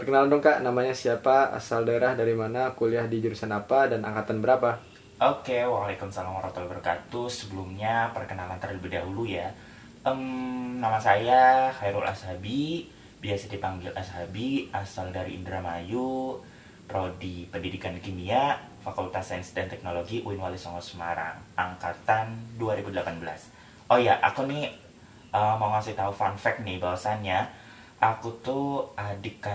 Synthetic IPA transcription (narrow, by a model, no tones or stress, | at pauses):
pərkənalandʊŋkaʔnamaɲasiapaa̰saldaeɾahdaɾimanakuliahdid͡ʒuɾusanapadana̰ŋkat̪anbəɾapa | ʔokewalekumsalaŋmɾɔt̪əlbərkat̪usəbəlumɲapərkənalant̪ərləbidaɦuluja | ʔəmnamasajahajɾulʔa̰shabi | biasadipaŋɡɪlasɦabiʔasaldaɾḭːndɾamaju | pɾodipəndidikankimia | fakult̪asansdant̪ɛk̚noloɡiʔuɪnwalisɔŋɔsəmaɾa̰ŋʔaŋkat̪anduaɾibudəlapanbəla̰s | ʔojaʔa̰kunɪ | əmauŋasɪht̪aufanfɛk̚nɪhbawasanɲa | ʔakut̪uʔadɪka